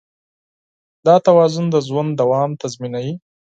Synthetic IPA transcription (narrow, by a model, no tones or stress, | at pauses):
d̪ɑt̪awɑzʊnd̪əzwand̪awɑmt̪azminawi